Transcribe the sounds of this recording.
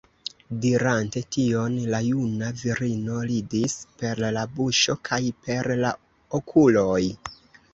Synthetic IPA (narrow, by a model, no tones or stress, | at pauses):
diɾante̞tio̞nlajunaviɾino̞lidispe̞ɾlabuʃo̞kʰajpe̞ɾla | okʰulo̞j